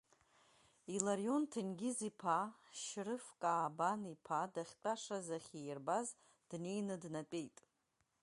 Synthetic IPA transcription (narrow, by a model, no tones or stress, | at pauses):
ilaɾjo̞ntʰɨnɡʲɪzipʰaʃrɨfkʼaːbanipʰadaχʲtʼaʂazaχʲijrbaz | d̥ne̞jnɨdnat͡pʼejtʼ